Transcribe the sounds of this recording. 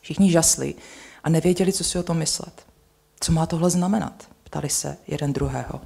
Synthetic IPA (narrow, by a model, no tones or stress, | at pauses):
fʃɪxɲɪʒaslɪ̰ʔanɛvjɛɟɛlɪt͡sosɪot̪o̞mːɪslɛ̰t̪ | t͡so̞maːt̪oɦlɛznamɛna̰t̪pt̪a̰lɪsɛ̰jɛ̰dɛnd̪ɾuɦɛːɦo̞̰